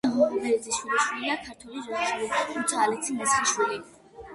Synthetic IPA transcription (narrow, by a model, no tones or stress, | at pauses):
ɦɔbɛd̪ziʃwiliʃwilid̪akʰaɾt̪ʰwɛlizɔat͡ʃʰilit̪ʰut̪ʰaːlit̪sʰimɛsχiʃwili